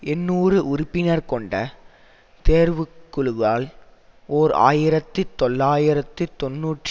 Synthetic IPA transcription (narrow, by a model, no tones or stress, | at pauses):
ɛnːuːrɯʔʊɾʊpːɪnɐɾkɔɳɖɐ | t̪eːɾʋɯkːʊɭɯɣaːl | oːɾa̰ːjɪɾɐt̪ːɯt̪ɔlːaːjɪɾɐt̪ːɯt̪ɔnːuːʈː